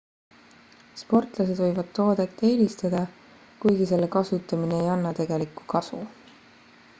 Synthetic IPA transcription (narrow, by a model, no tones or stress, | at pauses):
spo̞rt̪ˑlɑse̞d̪̥vɤ̞jvɑd̪̥̚t̪o̞ːd̪̥et̪ːeːlʲist̪ɑd̪̥ɑ | kujɡise̞lːe̞kɑsut̪ːˑɑmineejɑnːɑt̪e̞ɡ̥e̞likːˑu̥kɑsṵ